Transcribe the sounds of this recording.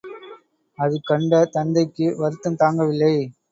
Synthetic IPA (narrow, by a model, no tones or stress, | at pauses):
ɐðɯkɐɳɖɐt̪ɐnd̪ɐɪkːɯʋɐɾɯt̪ːɯmt̪aːŋɡɐʋɪlːɐɪ